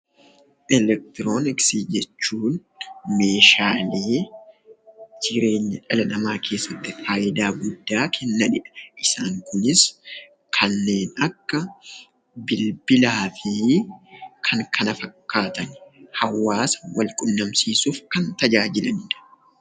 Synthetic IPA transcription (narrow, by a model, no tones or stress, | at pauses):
ʔɛlɛk̚t̪ɪɾo̞ːnɪksiːd͡ʒɛt͡ʃːuːn | me̞ːʃaːleː | d͡ʒɪɾe̞ːɲːɐᶑɐlɐnɐmaːkʰe̞ːsːɐt̪ːɪfaːʔɪd̪aːɡʊd̪ːaːkʰɛnːɐᶑɪᶑɐ̥ʔɪsaːŋkʊnɪs | kʰɐnːe̞ːnɐkːɐ | bɪlbɪlaːfi | kʰɐŋkʰɐnɐfɐkːaːt̪ɐnhɐwːaːsɐ̥wɐlkʼʊnːɐmsiːsuːfkɐnt̪ɐd͡ʒaːd͡ʒɪlɐnɪᶑɐ̥